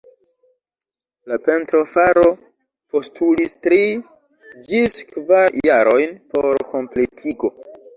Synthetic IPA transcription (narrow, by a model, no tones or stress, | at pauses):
lape̞ntɾo̞faɾo̞ | po̞stulistɾi | d͡ʒiskvaɾjaɾo̞jnpo̞ɾko̞mpletʰiɡo̞